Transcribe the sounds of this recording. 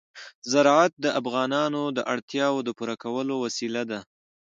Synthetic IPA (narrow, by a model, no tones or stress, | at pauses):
zaɾɑat̪̚d̪əʔafɣɑnɑnod̪əʔaɽt̪jɑwod̪əpuɾakawəlowasilad̪a